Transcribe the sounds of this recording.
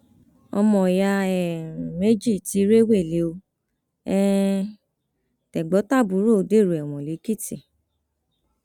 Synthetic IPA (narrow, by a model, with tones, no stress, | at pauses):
ɔ̰˧mɔ̃˨ja˧ɛ˨me˦d͡ʒi˦˨ti˨˦ɾe˦we˦˨le˨˦o˧ | ɛ˦ | tɛ˨ɡ͡bɔ˨˦ta˦˨bu˨˦ɾo˦˨˦de˦˨ɾu˨ɛ˨w̃ɔ̃˨le˨˦ki˦˨ti˨